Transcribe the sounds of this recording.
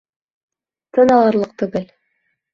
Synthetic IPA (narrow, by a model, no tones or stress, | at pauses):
t̪ɤ̆nɑlˠɑɾlˠɤq̚t̪ʉ̆ɡɘl